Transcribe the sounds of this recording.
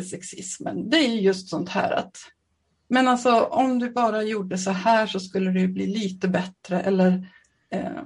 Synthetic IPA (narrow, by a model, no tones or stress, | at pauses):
sɛksɪ̰smə̰nd̪ɛæɾjɵjɵst̪sɔnt̪hæ̰ːɾa̰t̪ | mɛnalsɔɔmd̪ɵbɑːɾajuːɖːəsɔhæːʂɔskɵlːəd̪ɛjɵbliːliːt̪əbɛt̪ɾəʔɛlːəɾ